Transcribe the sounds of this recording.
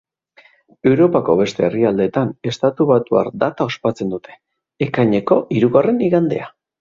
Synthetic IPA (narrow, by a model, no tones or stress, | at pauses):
e̞wɾo̞pako̞βe̞st̪e̞ːriald̪e̞t̪ane̞st̪at̪uβat̪ua̰ɾd̪at̪ao̞spat͡se̞nd̪ut̪ʰe̞̥ː | kaɲe̞ko̞ʔiɾuɣare̞niɣand̪e̞̰a